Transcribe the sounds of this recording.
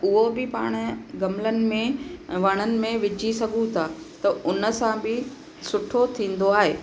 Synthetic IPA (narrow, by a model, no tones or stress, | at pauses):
ʊɦobɪpaːɽ̃ə̆ɡɐmlənɪ̆mẽʋɐɽ̃ənɪ̆mẽʋɪd͡ʑʱisɐɡʱũt̪ʰaː | t̪ɐʊnə̆sãbɪ | sʊʈʰot̪ʰĩːn̆d̪oaːɦeː